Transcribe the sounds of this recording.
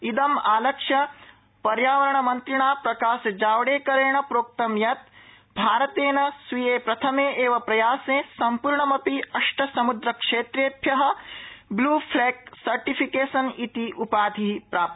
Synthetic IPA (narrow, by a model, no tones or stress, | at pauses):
id̪ɐmaːlɐkʂɐ | pɐɾjaːʋɐɾɐɳɐmɐnt̪ɾiɳaːpɾɐkaːsɐd͡ʒaːʋɐɽeːkɐɾeːɳɐpɾoːk̚t̪ɐmjɐt̪̚ | bʱaːɾɐt̪eːnɐsʋijeːpɾɐt̪ʰɐmeːʔeːʋɐpɾɐjaːsẽːsɐmpuɾɳɐmɐpiɐʂʈɐsɐmud̪ɾɐkʂeːt̪ɾeːt̪jɐɦɐ̆bluːpʰleːk̚sɐɾʈipʰikeːsɐnit̪iʔupaːd̪ʱipɾaːp̚t̪